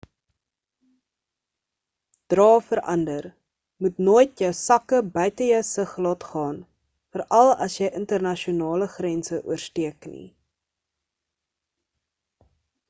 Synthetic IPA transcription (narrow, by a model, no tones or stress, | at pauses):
d̥rɑːfəɾʔɐ̰ndər | mutnoːjtjœwsɐkəbœɥtəjəwsəχlɑːtχɑːn | fərɐlˠɐ̰sjəjʔəntərnɐʃiunɑːləχrɛnsəʔṵərstiəknḭ